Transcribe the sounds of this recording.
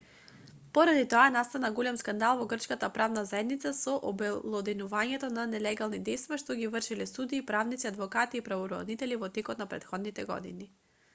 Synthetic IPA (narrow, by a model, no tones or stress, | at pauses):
pɔɾad̪it̪oanast̪anaɡɔlɛmskand̪alˠvɔɡr̩t͡ʃkat̪apɾavnazaɛd̪nit̪sasɔʔɔbɛlˠɔd̪inuvaɲɛt̪ɔnanɛlɛɡalˠnid̪ɛjst̪vaʃt̪ɔɡivr̩ʃilɛsud̪iːpɾavnit̪siad̪vɔkat̪iːpɾavɔɾɔ̰d̪it̪ɛlivɔt̪ɛkɔt̪napɾɛ̰t̪xɔd̪nit̪ɛɡɔ̰d̪ḭni